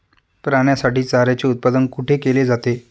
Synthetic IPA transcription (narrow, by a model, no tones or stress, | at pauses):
pɾaɳjasaʈiːt͡saɾjat͡ɕeut̪̚pad̪ənkuʈʰekeled͡zat̪e